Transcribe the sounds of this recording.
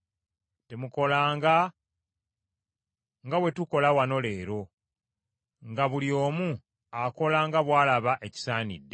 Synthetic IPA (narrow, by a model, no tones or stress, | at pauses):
te̞muko̞laːŋɡa | ŋɡawe̞tuko̞lawano̞le̞ːɾo̞ | ŋɡaβuljo̞ːmu | ako̞laŋɡaβwaːlaβaʔe̞ci̥saːnḭdːe